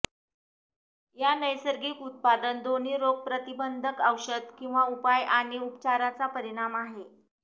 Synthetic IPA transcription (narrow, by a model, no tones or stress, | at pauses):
janəjsəɾɡiːkut̪̚pad̪ənd̪on̤iːɾoɡ̚pɾət̪ibənd̪ʱəkəwɕəd̪kĩw̃ʋaupajaɽ̃iupt͡ɕaɾat͡sapəɾiɽ̃amaɦe